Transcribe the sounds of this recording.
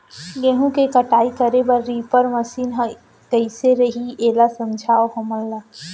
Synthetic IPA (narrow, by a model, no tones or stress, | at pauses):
ɡẽːɦũkekɐʈaːikɐɾebɐɾːiːpəɾmɐsiːnɦɐ | kɐɪseɾɐɦieːlasɐ̃md͡ʒʱaːoɦɐməlːa